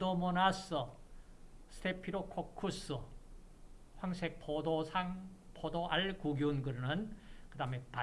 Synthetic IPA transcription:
omonasɯ | sʰɯ̥tʰepʰiɾokʰokʰːusɯ | ɸwaŋsʰek̚pʰodosʰaŋ | pʰod̪oʔaɭkuɡjunɡɯɾnɯnkɯdamepa

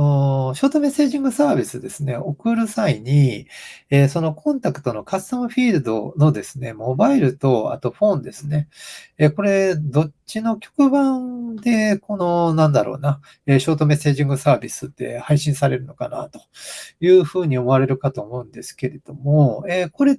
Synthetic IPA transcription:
oɕo̞ːt̪o̞me̞se̞ːʑĩŋɡɯ̟saːbʲisɨd̪e̞sɨne̞o̞kɯ̟ɾɯ̟saiɲ̟i | eso̞no̞kʰõ̞nt̪akɯ̟̥t̪o̞no̞kasãɸʲiːɾɯ̟d̪o̞̰no̞d̪e̞sɨne̞mo̞baiɾɯ̟t̪o̞a̰t̪o̞ɸõ̞nd̪e̞sɨne̞ːko̞ɾe̞d̪o̞t͡ɕino̞kʲo̥kɯ̟bãnd̪e̞ko̞no̞nãnd̪aɾo̞̰ːna | eɕo̞ːt̪o̞me̞se̞ːʑĩŋɡɯ̟saːbʲisɨt̪ːe̞̰haiɕĩɰ̃saɾe̞ɾɯ̟no̞kana̰t̪o̞̥jɯ̟ːɸɯ̟ːɲ̟io̞mo̞aɾe̞ɾɯ̟kat̪o̞ːmo̞ɯ̟̃nd̪e̞sɨ̥ke̞ɾe̞d̪̥o̞mo̞e̞ːko̞ɾe̞

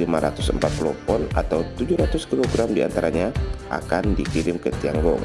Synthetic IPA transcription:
limaɾa̰t̪ʊsəmpat̪̚klopɔnat̪awt̪ud͡ʒʊhɾat̪ʊskiloɡɾamdia̰nt̪aɾaɲaʔa̰kandikiɾɪmkət̪iaŋɡɔŋ

